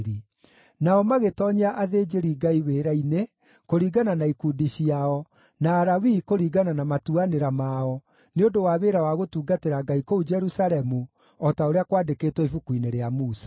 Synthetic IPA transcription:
ɾi | naɔmaɣetɔɲaʔaðeːd͡ʒeɾiɡaiweːɾaine | koɾiːɡananaikuːdiɕiaɔ | naːɾawikoɾiːɡananamatuaneɾamaɔ | neondowaβeːɾawaɣotuːɡateɾaɡaikoud͡ʒɛɾusalɛmu | ɔtaoɾeakwaːdekeːtwɛifukwineɾeamuːsḁ

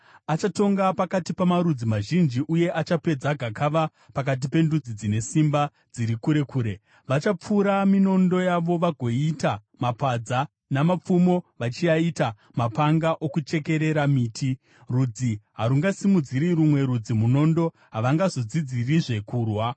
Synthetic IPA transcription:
at͡ʃato̞ŋɡapakatipamaɾud͡zimaʒind͡ʒiʔuje̞ʔat͡ʃape̞d͡zaɡʱakʰaʋa | pak̬at̬ipe̞ndud͡zid͡zine̞simba | d͡ziɾikuɾe̞kuːɾe̞ | ʋat͡ʃap͡fuɾamino̞ndo̞jaʋo̞ʋaɡʱo̞ita | mapad͡za | namap͡fumo̞ʋat͡ʃiaita | mapaŋɡaʔo̞kut͡ʃe̞ke̞ɾe̞ɾamiːtʰi | rud͡ziɦaɾuŋɡasimud͡ziɾirumwe̞ɾud͡zimuno̞ndo̞ | ɦaʋaŋɡazod͡zid͡ziriʐe̞kuːrwa

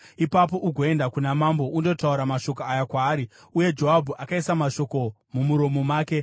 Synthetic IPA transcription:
ipap̬o̞ʔuɡʱo̞e̞ndakunamambo̞ʔundo̞tauɾamaʃo̞koajakwaːɾi | uje̞d͡ʒo̞ɦabʱuʔakaisamaʃo̞ko̞ | mumuɾo̞momaːke̞

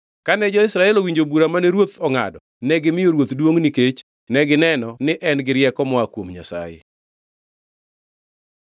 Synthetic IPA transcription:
kanɛd͡ʒɔɪsɾaɛlowiɲd͡ʒobuɾamanɛɾwot̪ɔŋa̰dɔ | nɛɡɪmɪjoɾwot̪dwoŋniket͡ʃ | nɛɡɪnɛnɔnɪʔɛnɡɪɾjɛkɔmɔakwomɲa̰sa̰jḛ

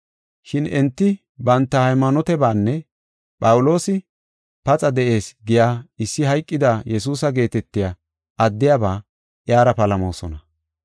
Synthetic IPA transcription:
ʃɪnɛnt̪ːɪ | bɐnt̪ːɐhɐjmːɐnɔt̪ɛbaːnːɛ | pʼɐwʊlo̞ːsɪ | pɐt͡sʼɐd̪ɛʔe̞ːsɡɪjaːɪsːɪɦɐjkʼːɪd̪aːjɛs̬uːsɐɡe̞ːt̪ɛt̪ːɪja | ɐd̪ːɪjabaː | ʔɪjaːɾɐpɐlɐmo̰ːsɔnɐ

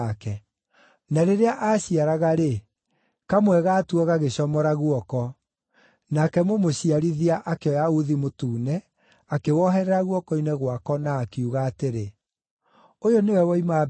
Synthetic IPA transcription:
akɛ | naɾeɾeaʔaːɕiaɾaɣaɾe | kamwɛɣaːtuɔɣaɣeɕɔmɔɾaɣuɔkɔ | nakɛmomoɕiaɾiðiaʔakeɔjauðimotuːnɛ | akewɔɦɛɾɛɾaɣwɔkɔinɛɣwakɔnaːkeuɣaːteɾe | ojonewɛwɔima

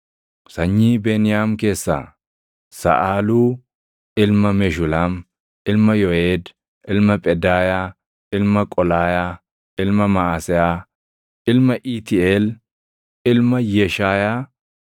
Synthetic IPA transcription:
sɐɲːiːbeːnɪjaːmke̞ːsːa̰ː | sɐ̰ʔaːluː | ʔɪlmɐmɛʃʊlaːm | ʔɪlmɐjɔeːd̪ | ʔɪlmɐpʼɛd̪aːjaː | ɪlmɐkʼɔlaːjaː | ɪlmɐmɐʔaːsɛaː | ɪlmɐʔit̪ɪeːl | ɪlmɐjɛʃaːjaː

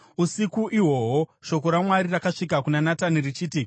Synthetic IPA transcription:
usikuʔiwo̞ɦoʃo̞ko̞ɾamwaɾirakaʂik̬akunanatanirit͡ʃiːti

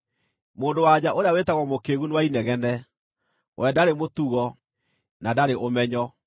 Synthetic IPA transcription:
moːndowad͡ʑaʔoɾeawetaɣwɔmokeɣunewainɛɣɛnɛ | wʔɛdaɾemotuɣɔ | nadaɾeʔomɛɲɔ

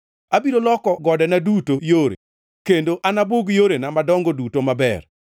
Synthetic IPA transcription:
abiɾolɔkɔɡɔdɛnadutojoɾḛ | kendoʔanaboɡjoɾenamadɔŋɡodutomabɛ̰r

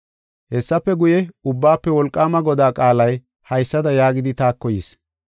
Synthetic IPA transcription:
hɛsːɐpːɛɡʊjɛʊbːaːpːɛwɔlkʼːaːmɐɡɔd̪aːkʼaːlɐj | hɐjsːɐd̪ɐjaːɡɪd̪ɪt̪aːkːɔjis

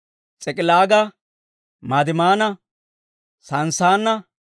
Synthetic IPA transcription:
t͡sʼɛkʼɪlaːɡɐ | maːd̪ɪmaːnɐ | sɐnsaːnːɐ

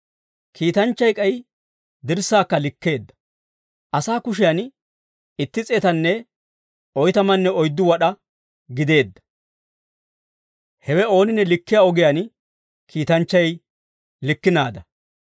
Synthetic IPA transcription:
kʰiːt̪ɐnt͡ʃːɐjkʼɐj | d̪ɪɾsːaːkːɐlɪkːe̞ːd̪ːɐ̥ | ʔɐsaːkʊʃ̬ɪjɐn | ɪt̪ːɪt͡sʼeːt̪ɐnːɛ | ɔjt̪ɐmɐnːɛɔjd̪ːʊwɐɗɐ | ɡɪd̪e̞ːd̪ːɐ̥ | hɛwɛo̞ːnɪnːɛlɪkːɪjaɔɡɪjan | kʰiːt̪ɐnt͡ʃːɐj | lɪkːɪnaːd̪ɐ

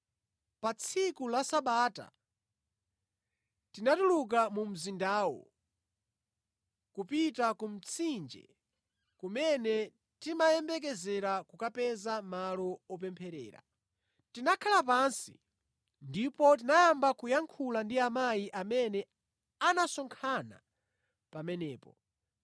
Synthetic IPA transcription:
pat͡sʰikulasaɓaːta̰ | tinatuluk̬amum̩zindaːwɔ̰ | kupitakum̩t͡sʰind͡ʒɛ̰ | kumɛnɛ | timajɛmbɛk̬ɛzɛɾakukapɛzamalɔɔp̬ɛmpʰɛɾɛ̰ːɾa̰ | tinakʰalap̬ansḭ | ndipɔt̬inajambakujaŋkʰulandiamajiʔamɛnɛ | anasɔŋkʰana̰ | pamɛnɛːpɔ

